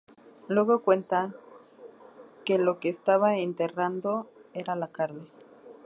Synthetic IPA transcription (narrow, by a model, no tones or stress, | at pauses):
lwe̞ɣo̞kwe̞nt̪a | ke̞lo̞keːst̪aβaent̪e̞rand̪o̞e̞ɾalakaɾne̞